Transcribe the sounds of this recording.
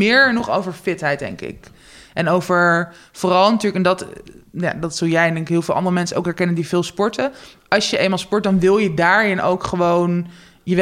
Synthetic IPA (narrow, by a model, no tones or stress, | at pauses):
ɪːɹənɔχowvəɹfɪtɦɛjt̚dɛ̰ŋkɪ̰k | ʔɛnowvəɹ | foːrɑlˠnɐtyːɹləkɛndɑtja̰ːdɑtsɵlˠjɛjɛndɛŋkɪkɦɪːlˠvɪːlˠɑ̰ndərəmɛnsəʔo̰wkɦɛɹkɛnəndivɪːlˠspɔɹtəʔɑlˠsjəʔejmaːlˠspɔɹt̚dɑnʋɪlˠjədaːɹɪno̰wkχəʋown | jəʋ